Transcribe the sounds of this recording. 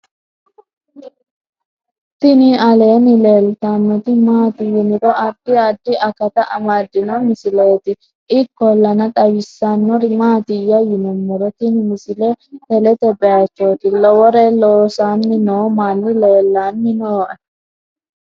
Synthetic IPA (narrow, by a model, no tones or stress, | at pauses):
t̪ɪnɪɐleːnɪleːlt̪anːɔt̪ɪmaːt̪ɪjɪnɪɾɔʔɐd̪ːɪɐd̪ːɪʔɐkɐt̪ɐʔɐmad̪ːɪnɔmɪsɪleːt̪ɪ | ʔɪkːɔlːɐnɐt̪ʼɐwɪsːanːɔɾɪmaːt̪ɪjɐjɪnʊmːɔɾɔt̪ɪnɪmɪsɪlɛt̪ɛlɛt̪ɛbɛjɐt͡ʃːot̪ɪlɔwɔɾɛloːsaːnːɪnoːmanːɪleːlːanːɪnoːʔɛ